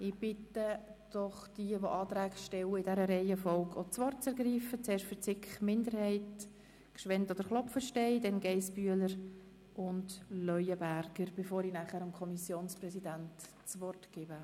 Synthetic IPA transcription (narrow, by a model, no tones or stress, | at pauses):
ɪb̥ɪtəd̥ɔχd̥iəʋoʔɑːt̪ɾæːɡʃtɛwɪdɛɾəɾɛɪəfɔlɡʰot͡sʋɔrtt͡sɛɾɡriːfət͡sɛːɾʃtfəɾt͡sɪkχmɪndəɾhɛɪt | kʃʋɛntod̥̪əɾχlɔfəʃtɛɪd̥ɛnɡɛɪsb̥yələɾ | ʔʊndlœʏəbæɾɡ̥əɾb̥efoːɾinæχæːɾʊmkʰɔmisjoːnsprɛsidænt | t͡sʋɔrtɡ̥ɪbə